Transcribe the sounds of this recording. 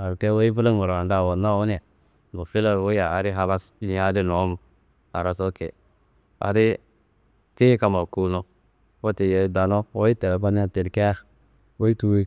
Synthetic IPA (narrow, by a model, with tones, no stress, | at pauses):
a˨ɾke˦wo˦i˦bu˦la˦ŋo˨ɾa˨nda˦˨wo˨na˦˨wo˦n˦a˨ | no˨fi˦la˨ɾwo˦ja˨a˨˦ɾi˦ɦa˦ba˦sni˨˦a˦di˦no˨˦m˦ | a̰˨ɾa˨so˦kḛ˨ | a̰˨ɾi˦ | te˦ka˨ma˨ku˦no˦ | wo˦ti˨je˨˦da˨no˦wo˦i˦te˨ba˦n˦a˦˨te˨ɾke˦a˦x | wo˦i˦tu˦wi˦